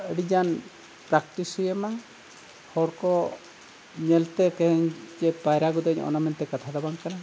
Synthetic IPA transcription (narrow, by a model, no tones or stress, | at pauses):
əɽid͡ʒan | pɾakʈ̪ishujɛma | hɔɽkɔ | ɲɛlt̪ɛkɛɦɛɲd͡ʒɛpajɾaɡud̪ɛɲɔ̰namɛnt̪ɛkat̪ʰad̪abaŋkana